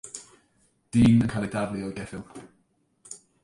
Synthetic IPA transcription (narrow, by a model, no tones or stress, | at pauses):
d̥iːnənkʰajlˠidadliɔjɡɛfɪlˠ